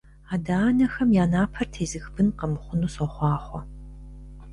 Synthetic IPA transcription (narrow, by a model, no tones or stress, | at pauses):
aːdaːnɐxɐmjaːnaːpʰɐrtʰeːzɨxb̥ɨnqɐmɨχʷʊnuːsɔχʷɑːχʷɔ